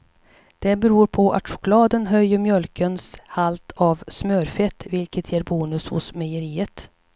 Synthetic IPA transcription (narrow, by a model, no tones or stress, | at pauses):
d̪̥ɛbɛɾuːɾpʰɔʔa̰t̪ʂʊ̥kʊlɑːd̪ənɦœjːəɾmjœlkənshalt̪ʰɑvsmøɾfɛt̪ːvɪlkət̪ʰjeːɾbuːnɵshʊ̰smɛjəɾiːət̪